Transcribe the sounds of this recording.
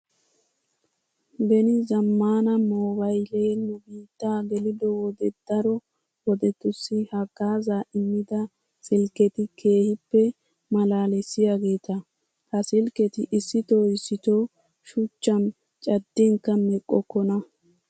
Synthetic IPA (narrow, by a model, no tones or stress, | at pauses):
bɛnɪzɐmːaːnɐmoːbɐjleːnʊbiːt̪ːaːɡɛlɪd̪ɔwɔd̪ɛd̪̥ɐɾɔ | wɔd̪ɛt̪ːʊsːɪhɐɡaːzaːʔɪmːɪd̪ɐ | sɪlkɛt̪ɪkʰe̞ːhɪpːɛ | mɐlaːlɛsɪjaɡe̞ːt̪ɐ | hɐsɪlkɛt̪ɪʔɪsːɪt̪oːɪsːɪt̪oː | ʃʊt͡ʃːɐn | t͡ʃʼɐd̪ːɛŋkːɐmɛkʼːɔkːɔnɐ